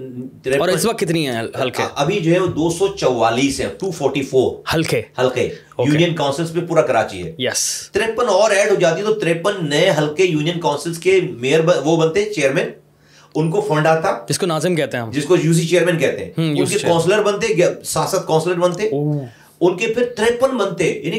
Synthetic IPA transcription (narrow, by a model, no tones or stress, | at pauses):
t̪ɾeːɔːɾɪəsʋɐkt̪ːɪt̪niɦɛɐlkʔɐbʱid͡ʒoːɦɛʋod̪oːsɔt͡ʃɔʋaːliːsɦɛ̰̃ʈuːfɔːɾʈifoːɾhɐlkehɐlke | ojuːnijənkaʊnsɪlspẽpuːɾakɐɾa̰ːt͡ʃḭɦɛ̰ːjɛst̪ɾeːpənɔːɾɛːɖɦod͡ʒaːt̪iɛt̪ot̪ɾeːpənːɐẽɦɐlkejuːnijənkaʊnsəlskemeːəɾbɐʋobɐnt̪eɦɛt͡ʃeːəɾmɛ̃ːn | ʊnkofɐ̃ɳɖaːt̪aːd͡ʒɪskonaːzɪmkɛɦt̪eɦɛ̃d͡ʒɪskojuːs̬it͡ʃeːəɾmɛ̃ːnkɛɦt̪eɦɛ̃ʊnkekɔ̃ːnsləɾbɐ̃nt̪eɡsaːsət̪̚kɔ̃ːnsləɾbɐ̃nt̪e | ʊnkepʰɪɾt̪ɾẽːpənbɐ̃nt̪ejaːni